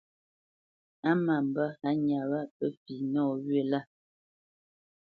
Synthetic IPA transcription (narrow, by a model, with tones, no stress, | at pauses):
a˦ma˨m̩˨ba˦ha˨˦ɲa˨wa˦˨pə˦fi˨nɔː˦˨ɣɥe˦˨la˦˨